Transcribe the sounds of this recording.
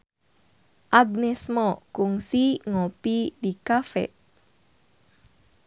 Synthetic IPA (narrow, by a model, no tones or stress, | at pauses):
ʔaɡnɛsmɔkuŋsiŋopidikafɛ̰ʔ